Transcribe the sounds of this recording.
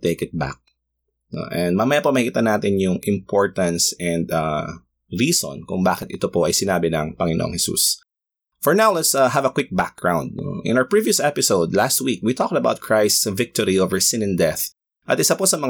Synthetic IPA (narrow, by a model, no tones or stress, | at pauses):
t̪eɪkɪt̪̚ba̰k̚ | no̰ʔɛ̃nd̪̚mɐmɐjapɐmɐhkiːt̪ɐnaːt̪ɪnjʊŋʔɪ̃mpʰɔɹt̪ɐ̃nsɛ̃nd̪a | ɹiːsɔ̰nkʊŋbaːkɪt̪ʔɪt̪opoʔɐjsɪnaːbɪnɐŋpɐŋɪnoʔo̰ŋhɛsṵs | fɔɹnawlɛt̪saɦɐvɐkwɪk̚bak̚ɡ̥ɹãw̃nd̪̚no̰ʔɪ̰̃nawə˞pɹiviʊsɛpɪsoʊd̪last̪̚wikwit̪ʰɔk̚t̪ɐbaʊwt̪̚kʰɹajst̪svɪk̚t̪ɔɹiovəɹsɪ̃nɛ̃nd̪ɛθ | ʔɐt̪ɪsaposɐmɐŋ